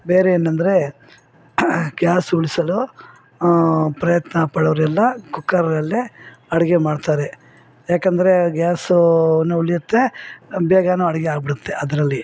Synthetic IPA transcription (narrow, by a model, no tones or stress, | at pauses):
beːɾeeːnɐnd̪ɐɾe̞ | ɡjaːsuɭisɐlu | pɾɐjɐt̪nɐpɐːɽɐʋɐɾɛlːɐkukːɐɾɐɾɐlːiɐɽɛɡemaːɖt̪aːɾe | jaːkɐnd̪ɐɾe̞ɡjaːsunuuɭijut̪ːebɛːɡanuɐɽɛɡeaːɡ̚biɽut̪ːe̞ʔɐd̪ɐɾɐlːi